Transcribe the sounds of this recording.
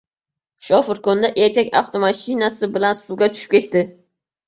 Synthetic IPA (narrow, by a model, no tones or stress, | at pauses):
ʃɒfɪɾkond̪aʔeɾkʲakʲa̰ft̪ʰomaʃɪnasɪbɪlansʊɡʲat̪ʰʊ̥ʃɪ̥pkʲe̞t̪ːɪ